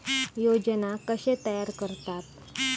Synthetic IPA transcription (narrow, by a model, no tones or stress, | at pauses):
jod͡ʑənakəɕet̪əjaɾkəɾt̪at̪